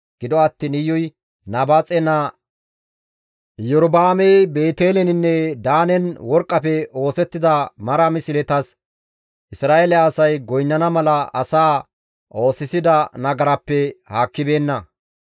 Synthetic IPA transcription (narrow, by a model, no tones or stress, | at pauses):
ɡ̥ɪd̪ɔɐt̪ːiːnɪjːɔj | naːbaːt͡sʼɛnɐ | jɔɾɔbaːmejbe̞ːt̪eːlɛnɪnːɛd̪aːnɛnwɔɾkʼːɐpɛo̞ːsɛt̪ːɪd̪ɐmɐɾɐmɪsɪlɛt̪ɐs | ʔɪsɾaːʔelɛːsɐjɡɔjnːɐnɐmɐlɐɐ̰saː | ʔo̞ːsɪsɪd̪ɐnɐɡɐɾɐpːɛhaːkːɪbe̞ːnːɐ